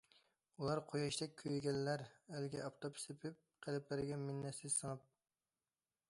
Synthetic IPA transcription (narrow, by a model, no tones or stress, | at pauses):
ulˠɑɾqʰojɑʃd̪ɛk̚ʲʰːøjɡʲɛlːæɾælɡʲɛʔɑpt̪ʰopʰsepʰɪp̚qʰəlɪplɪɾɡʲɛmɪnːɛsɪz̥sɨŋɑp̚